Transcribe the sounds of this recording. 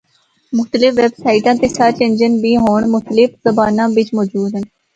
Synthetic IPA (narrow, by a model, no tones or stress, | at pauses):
mʊxt̪əlɪfʋeːbsaːɪʈãːt̪eːsaːt͡ʃẽːnd͡ʒənbiːɦoːɳmʊxt̪əlɪfzəbaːnãːbɪt͡ʃmɔːd͡ʒuːd̪ʱɦən